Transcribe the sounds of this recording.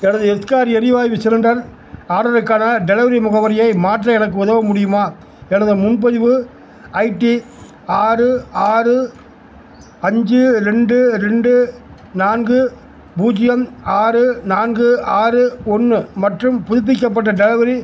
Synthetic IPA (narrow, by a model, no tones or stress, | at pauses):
ɛnɐðɯɛskaːɾɛɾɪʋaːjiʋɪsɐɾɯɳɖɐɾ | aːɽɐɾɯkːaːnɐɖɛlɐʋɐɾimʊɣɐʋɐɾɪjɐɪmaːʈrɐɛnɐkːɯʊðɐʋɐmʊɽɪjɯmaː | ɛnɐðɯmʊnpɐðɪʋɯ | ɐɪʈːi | aːrɯaːrɯ | ɐɲd͡ʒɯɾɛɳɖɯɾɛɳɖɯ | naːnɡɯ | buːd͡ʒɪjɐmaːɾɯnaːnɡɯʔaːrɯɔnːɯmɐʈrɯmpʊðʊp̬ːɪkːɐp̬ːɐʈ̬ːɐɖɛlɐʋɐɾi